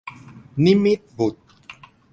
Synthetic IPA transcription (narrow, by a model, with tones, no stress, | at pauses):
ni˦mi˦t̪̚bu˨t̪̚